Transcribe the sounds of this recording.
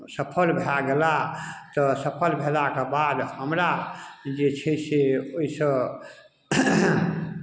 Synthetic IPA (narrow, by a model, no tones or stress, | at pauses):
səpʰəlbʱelaɡelat̪ɔsəpʰəlbʱelakebad̪həmɾad͡ʒet͡ʃʰɛseoisə̃